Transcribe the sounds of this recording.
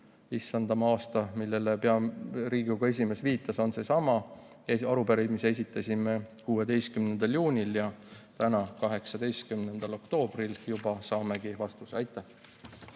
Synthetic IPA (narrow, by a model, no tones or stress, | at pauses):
isːɑnd̪̥ɑmɑɑːst̪ɑmilːe̞lepeɑɾiːɡuɡ̥ɑe̞s̬ʲime̞sviːt̪ːˑɑso̞nse̞sɑmɑ | eɑɾupe̞ɾejd̪mise̞s̬ʲit̪ːˑɑsʲime̞kuːe̞d̪e̞jst̪kymnend̪̥ɑljuːnʲiljɑt̪ænɑkɑɦe̞ksɑd̪e̞jst̪̚kymne̞nd̪̥ɑlo̞kt̪o̞ːb̥riljub̥ɑsɑːme̞ɡivɑst̪usɑjt̪ːˑæh